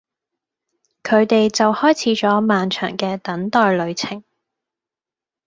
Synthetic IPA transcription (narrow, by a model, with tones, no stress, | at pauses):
kʰɵ˨˧ɥt̪e˨jt͡sɐ˨whɔː˥jt͡sʰiː˨˧˥t͡ʃɔː˨˥maː˨nt͡ʃʰœ̰ː˨˩ŋkɛː˧t̪ɐ˨˥ŋt̪ɔː˨jlɵ˨˧ɥt͡sʰɪ˨˩ŋ